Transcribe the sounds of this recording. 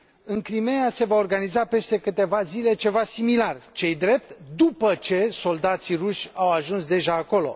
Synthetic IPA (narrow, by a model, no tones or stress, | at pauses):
ɨŋkɾime̞jase̞vaorɡanizape̞st̪e̞kɨt̪e̞vazile̞t͡ʃe̞vasimilart͡ʃe̞jd̪ɾe̞p̚t̪d̪upət͡ʃe̞so̞ld̪at̪siruʃʲawaʒunsd̪e̞ʒaːko̞lo̞̰